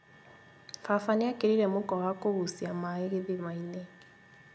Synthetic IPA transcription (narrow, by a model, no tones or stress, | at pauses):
fafaniakiɾiɾemukɔɣakoβusiamaeɣiðimaine